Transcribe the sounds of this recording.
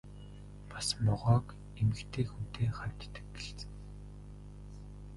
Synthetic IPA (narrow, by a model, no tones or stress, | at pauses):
pḁsmɔʁɔːk | emɘ̆kt̪ʰeːxut̪ʰeːχam̥ʲt̪ːɘ̥̆kɡeɮt͡sɘ̆ŋ